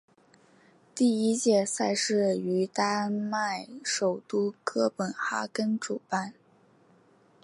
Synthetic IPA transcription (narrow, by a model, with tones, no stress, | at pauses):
t̪i˥˩i˥t͡ɕjɛ˥˩sa˥˧ɪʂɻ̩˥˩y˧˥t̪a˥ma˥˩ɪʂo˨˩ʊt̪u˥kɤ˥pə˨˩nxa̰˥kə˥nʈ͡ʂu˨˩pa˥˩n